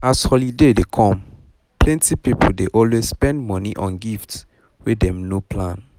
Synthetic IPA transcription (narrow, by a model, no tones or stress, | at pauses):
ashɔlidedekʰɔ̃m | plɛ̃ntipipoldeʔɔlwezspɛ̃ndmɔniʔɔ̰̃nɡifts | wedɛ̃mnopʰlãn